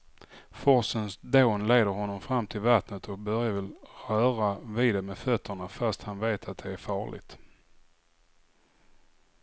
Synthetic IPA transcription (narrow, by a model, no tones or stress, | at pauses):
fɔɾsənsd̪oːnleːd̪əɾɦɔnːɔmfɾamːt̪ʰɪlvat̪nət̪ʰɔk̚bœɾjavɪlɾœːɾavɪd̪ɛmefœt̪ʰːəɳafast̪hanveːt̪ʰat̪̚d̪ɛæɾfɑːɭɪ̰ɡt̪